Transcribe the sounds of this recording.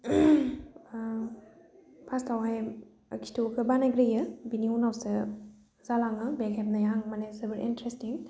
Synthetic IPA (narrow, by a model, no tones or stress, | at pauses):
pʰastʰawɦaj | ɐkʰi̥tokɯbanaɡɾɯjɯbiniunawsɐ | zalaŋɯbekʰep̚najaŋmanesebəɾʔḭntɾestiŋ